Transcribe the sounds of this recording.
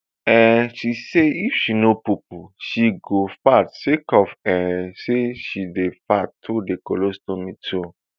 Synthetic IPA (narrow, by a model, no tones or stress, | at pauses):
ɛ̃ʃiseifʃinopup̚uʃiɡofatsekɔfɛ̃seʃidefattʰudekolostõmĩtʰo